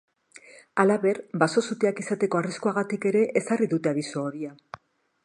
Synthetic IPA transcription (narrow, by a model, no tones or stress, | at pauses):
alaβe̞ɾbaso̞sut̪eakisat̪e̞ko̞ariskuaɣat̪ike̞ɾe̞ʔesariðut̪e̞aðisoːɾia